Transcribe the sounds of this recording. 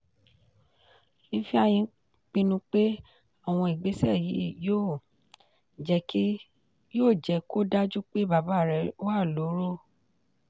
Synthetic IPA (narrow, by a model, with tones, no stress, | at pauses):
nĩ˦fi˦a˧j̃ĩ˧ | k͡pĩ˧nũ˧k͡pe˦ | a˦˨w̃ɔ̃˧i˨ɡ͡be˨˦sɛ˦˨ji˨˦˨joː˦˨ | d͡ʒɛ˧˦kʰi˦ | joː˦˨d͡ʒɛ˨˧ko˦da˦d͡ʒu˦k͡pe˦ba˨˦ba˨˦˨ɾɛ˧˨˦wa˦˨lo˨˦ɾo˦˨